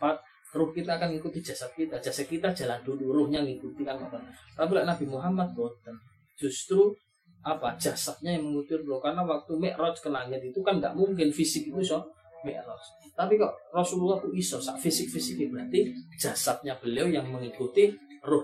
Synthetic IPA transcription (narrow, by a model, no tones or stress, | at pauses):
pat̪̚ | rʊhkit̪aːkanŋikut̪i̥d͡ʒ̥a̤sat̪̚kit̪ad̥d͡ʒ̥asat̪̚kit̪add͡ʒ̥aland̪̥ulurʊhɲaŋikut̪ikanmɛ̰ʔtɔt̪apilaʔnab̥i̤muɦamad̪̚b̥ɔnt̪ən | d͡ʒ̥ṳst̪ɾu | apadd͡ʒ̥a̤sat̪̚ɲajaŋməŋut̪urlʊhkarnawak̚t̪umɛʔɾɔt͡ʃkənaŋɪt̪̚it̪ukanŋɡa̰ʔmuŋkɪnfisɪk̚it̪usɔ | mɛ̰ʔɾɔt͡ʃ | t̪apikɔ̰ʔrɔsululːahk̪uisɔsa̰ʔfisɪk̚fisɪkibɾat̪i̥d͡ʒ̥a̤sat̪̚ɲab̥əliojaŋməŋikut̪irʊh